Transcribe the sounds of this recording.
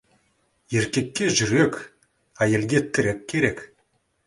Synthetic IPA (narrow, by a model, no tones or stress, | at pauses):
e̞ɾkʲe̞kʲːe̞ʒʏɾe̞kʲ | æjelɡʲe̞t̪ʰːɪɾɘk̚ʲkʲʰːe̞ɾe̞k